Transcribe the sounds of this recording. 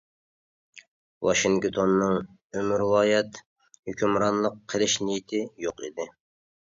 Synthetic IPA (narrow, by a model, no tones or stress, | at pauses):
wɑʃiŋkt̪ʰonːɨŋ | ømɾwɑːjɛt̪ | høkʲymɾɑnlˠəqʰːəlˠɪʃnijit̪ʰɪjoqḭd̪ɪ